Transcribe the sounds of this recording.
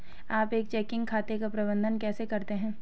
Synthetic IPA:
aːpeːk̚t͡ʃɛːkɪ̃ŋɡkʰaːt̪ekapɾɐbə̃nd̪ʱənkɛːsekɐɾt̪eɦɛ̃ː

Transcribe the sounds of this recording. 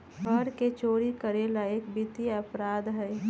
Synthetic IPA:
bəɾket͡ʃoːɾikəɾelaekbɪt̪iɐpɾaːd̪ɦɛː

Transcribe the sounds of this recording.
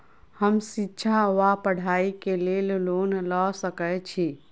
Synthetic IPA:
həmsitːʃʰaʋapəɽ̤ʱaikelellonlɔsəkɛt͡ʃʰi

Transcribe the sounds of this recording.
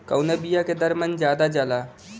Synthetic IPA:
kəwnebijaked̪əɾmənd͡ʒjaːd̪ad͡ʒalaː

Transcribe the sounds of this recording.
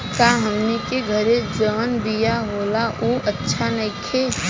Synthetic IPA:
kaːɦəmnekeɡʱəɾed͡ʒəːnbijaɦoːlaʔuʔətːʃʰanɐikʰe

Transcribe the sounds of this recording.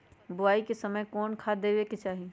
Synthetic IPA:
bʊaːikesɐməjkɔːnkʰad̪eːʋeket͡ʃaːɦi

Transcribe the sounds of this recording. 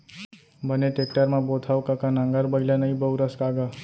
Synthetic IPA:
bəneʈekʈəɾmãbot̪ʰaʋkakanãŋɡaɾbəlanəɦĩbəuɾəskaɡa

